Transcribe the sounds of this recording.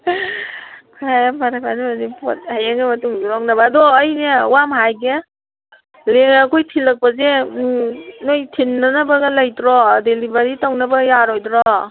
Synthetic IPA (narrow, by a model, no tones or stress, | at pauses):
kʰaapʰaɾapʰadibazipʰo̰t̚hajaŋemɐtuŋzuɾaŋnɐbɐːdɔːjnewamɦajɡe | leŋakʰojtʰilɐk̚pɐze | nojtʰinːanɐbɐɡɐlɐjdɾɔdelibaɾitawnɐbɐjaɾojdɾɔ